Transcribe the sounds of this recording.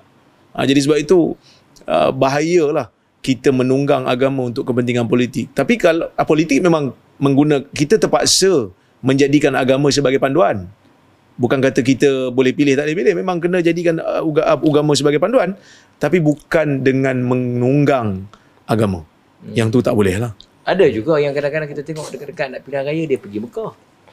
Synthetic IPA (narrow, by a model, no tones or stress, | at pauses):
ʔa̰d͡ʒadisəbap̚it̪u | ə̰baɦajəlah | kit̪əmə̃nuŋɡaŋa̰ɡamə̃unt̪ʊkːəpənt̪iŋanpolit̪ɪk̚t̪apikalpolit̪ɪk̚mẽmãŋ | mə̃ŋɡunə̃kit̪ət̪əpa̰ʔsə | mə̃ɲd͡ʒadikanaɡamə̃s̬əbaɡajpandoan | bukankat̪ək̬it̪əbolɛhpilɪht̪aʔlepilɪhmẽmãŋkənə̃d͡ʒadikanəuɡamə̃s̬əbaɡajpandoan | t̪apibukandəŋãnməŋnuŋɡaŋ | aɡamã̰ | jaŋt̪ut̪aʔbolɛhlah | adad͡ʒuɡajaŋkadaŋkadaŋkit̪at̪eŋɔʔdəkətdəkat̪̚naʔpiɾahɾajədiəpəɡiməkah